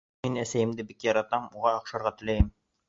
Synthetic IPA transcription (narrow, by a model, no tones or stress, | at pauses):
inæsæjɘ̆md̪ɘbikjɑɾɑt̪ɑmuʁɑːqʃɑɾʁɑt̪ɘ̆læjɘm